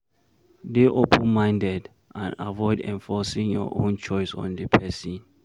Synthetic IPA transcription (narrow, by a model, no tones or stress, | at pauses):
deʔopʰə̃nmãɪ̃ndɛd | ʔãnavɔɪdɛ̰̃ɱfɔsĩŋjɔ̰ʔõnt͡ʃɔjsɔ̰̃ndəpʰɛsĩn